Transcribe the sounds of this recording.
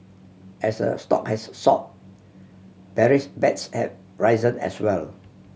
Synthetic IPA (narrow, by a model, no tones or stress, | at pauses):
ʔɛsdə̰stɔ̰khɛsːɔ̰p̚ | bɛɹisbɛtshɛ̰v | ɹaɪzə̃nɛ̰swɛl